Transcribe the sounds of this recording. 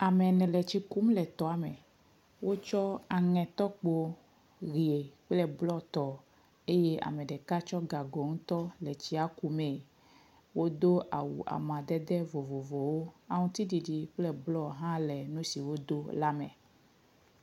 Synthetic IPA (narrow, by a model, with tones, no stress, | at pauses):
a˨mɛ̃˨nɛ̃˨lɛ˨t͡ɕi˦ku˦mlɛ˨t̪ɔ˦a˨mɛ˨ | wo˦t͡ʃɔ˦a˨ŋɛ̃˨t̪ɔ˦k͡po˦ | ɣi˨e˨k͡plɛ˦blɔ˦t̪ɔ˨ | e˦je˦ʔa̰˨mɛ̃˨ɖɛ˨ka˦t͡ʃɔ˦ɡa˨ɡɔ˨ŋũ˦t̪ɔ˦lɛ˨t͡ɕi˦a˦ku˦mɛ̃˨ | wo˦d̪o˦a̰˨wṵ˨ʔa̰˨mã˨d̪ɛ˦d̪ɛ˦vo˨vo˨vo˨wo˦a˨ŋũ˦t̪i˦ɖi˨ɖi˨k͡plɛ˦blɔ˦ɦã˦lɛ˨nũ˦si˨wo˦d̪o˦la˦mɛ̰̃˨